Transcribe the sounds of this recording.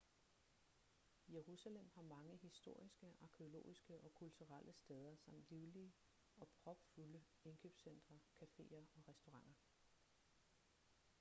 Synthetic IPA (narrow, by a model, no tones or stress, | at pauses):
ije̝ʁusælem̰ɦɑ̈mɑ̈ŋəɦisd̥o̝ɐ̰isɡ̥əʔɑ̈kʰeo̝lo̝̰ːisɡ̥əʔɒ̽kʰult͡sʰuʁal̰ʔəsd̥eð̞ˠɐsɑ̈m̰d̥liʊliə | ɒ̽pʰʁɒ̽b̥fulə | e̝nkʰø̰ːb̥sen̰d̥ʁɐkʰæfe̝̰ːɐɒ̽ʁɛsd̥o̝ʁɑ̈ŋ̰ɐ